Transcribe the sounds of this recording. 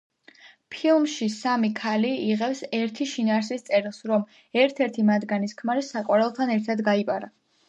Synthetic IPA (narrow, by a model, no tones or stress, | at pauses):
pʰilˠmʃisamikʰaliiʁɛpsɛɾt̪ʰiʃinaːɾs̬ist̪sʼɛɾilˠsɾɔm | ɛɾt̪ʰɛɾt̪ʰimad̪ɡaniskʰmaɾisakʼwaɾɛlˠt̪ʰanɛɾt̪ʰad̪ɡaipʼaɾa